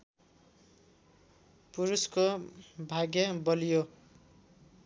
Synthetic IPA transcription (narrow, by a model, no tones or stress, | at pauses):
puɾuskobʱaɡjʌbʌlijo